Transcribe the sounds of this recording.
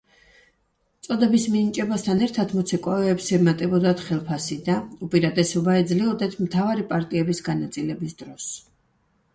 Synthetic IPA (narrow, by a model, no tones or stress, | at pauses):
t̪sʼɔd̪ɛbisminit͡ʃʼɛbast̪ʰanɛɾt̪ʰat̪ʰmɔt̪sʰɛkʼɔɛːpsɛmat̪ʼɛbɔd̪at̪ʰχɛlˠpʰasid̪aupʼiɾad̪ɛsɔbaɛd̪zliɔd̪ɛt̪ʰmt̪ʰavaɾipʼaɾt̪ʼiɛbisɡanat̪sʼilɛbisd̪̥ɾɔs